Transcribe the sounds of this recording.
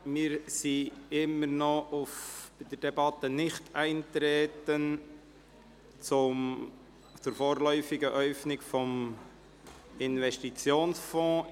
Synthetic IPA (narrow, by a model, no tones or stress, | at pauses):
mɪːɾsiɪmːəɾnɔʔʊfb̥ɪd̥əɾdɛbɑt̪ənɪχtæɪnt̪ɾeːtən | t͡sʊm | t͡sʊɾfoːɾlœʏfɪɡəʔœʏfnɪkfɔm | ɪnvɛʃtit͡sjoːnsfɔ̃ː